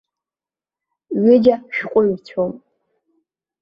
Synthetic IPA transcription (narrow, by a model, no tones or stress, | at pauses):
ɥɪd͡ʒaʃᶣqʷʼʊɥt͡sʷʰom